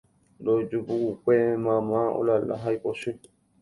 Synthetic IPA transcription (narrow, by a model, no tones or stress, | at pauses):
dod͡ʒubuukʷemãmão̰lala̰ɦajposũ